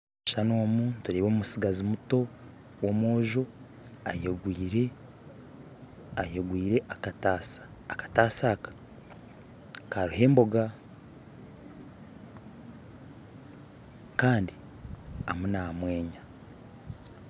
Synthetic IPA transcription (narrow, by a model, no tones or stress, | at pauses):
ʃano̞ːmuntuɾeːβoːmumusiɡazimuto̞ | womwoːʒo | a̰jeɡɾe | ajeɡwiːɾe̞ʔaktaskḁtaːsaːkḁ | kaɾuhe̞ːmbo̞ɡa | kaːndi | amunamwe̞ːɲa